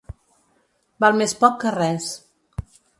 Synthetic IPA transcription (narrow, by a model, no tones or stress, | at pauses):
balˠmespɔkːərɛs